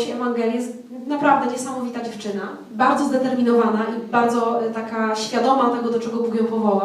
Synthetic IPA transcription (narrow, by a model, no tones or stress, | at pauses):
t͡ɕɛɛvaŋɡɛlʲjɛst̪ | napɾavd̪ɛɲɛsamɔvʲit̪ad͡ʑɛft͡ʂɘna | baɾd̪zɔzd̪ɛt̪ɛɾmʲinɔvanaʔibaɾd̪zɔt̪akaɕfʲjad̪ɔmat̪ɛɡɔd̪ɔt͡ʂɛɡɔbuɡjɛwpɔvɔwa